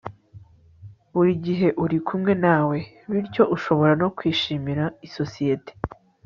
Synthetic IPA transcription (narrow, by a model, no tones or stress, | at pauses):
uɾiɟiɦe̞ʔuɾikʰumŋe̞naːwe̞ | βiɾco̞ʔuʃo̞βo̞ɾano̞kwiːʃiːmiɾaiso̞sije̞te̥